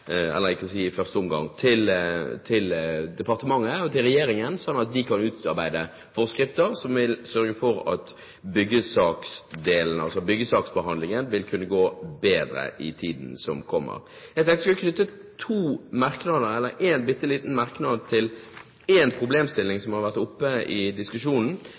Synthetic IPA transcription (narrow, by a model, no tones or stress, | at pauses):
ɛ̰lːəlæɪksiːɪfœʁst̪əɔmɡɑ̰ŋːt̪ʰɪlt̪ʰɪld̪ɛpʰɑʁt̪əmɑŋːəɔt̪ʰɪlʁɛjeːɾɪŋənsɔnːɑt̪̚d̪ɪkʰɑnʉːt̪ɑɾbæɪd̪ə | fɔʁskɾɪft̪əɾsɔmʋɪlsœɾɡəfɔɾɑ̰t̪ | bʏɡːəsɑːksd̪eːlnəɑlsɔbʏɡːəsɑːksbəɦɑnd̪lɪŋənʋɪlkʰʉnːəɡoːbeːd̪ɾə̰ʔɪt̪ʰiːd̪n̩sɔmkʰɔmːə̰ɾjæɪɡt̪ʰɛŋk̪əskʉlːəkʰnʏt̪ːət̪ʰuːmɑɾknɑːd̪əɾɛlːəɾeːnbɪt̪ːəliːt̪n̩mɑɾknɑːd̪t̪ʰɪl | eːnpʰɾʊbleːmst̪ɪlːɪŋsɔmhɑɾʋæʁt̪ʊpːəɪd̪ɪskʉʂuːnn̩